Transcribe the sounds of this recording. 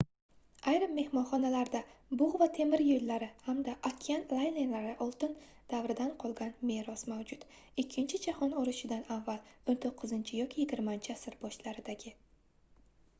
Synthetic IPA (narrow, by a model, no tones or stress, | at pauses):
ajɾɪmːe̞hmɒnχɒnalaɾd̪abʊʁvat̪ʰe̞mɪɾjolːaɾɪhamd̪aʔakʲʰianlˠajnenlaɾɪʔɒlˠt̪ɪn | d̪̥avɾɪd̪anqʰɒlˠɡʲanme̞ɾɒsmavd͡ʒʊt̪ | ɪkʲʰːɪnt͡ʃʰɪd͡ʒahɒnɒɾɪʃɪd̪anavːalont̪ʰoqʰːɨzɪnt͡ʃʰɪjɒkʲʰɪjɪɡʲɪɾmant͡ʃʰɪasɪɾbɒʃlaɾɪd̪aɡʲɪ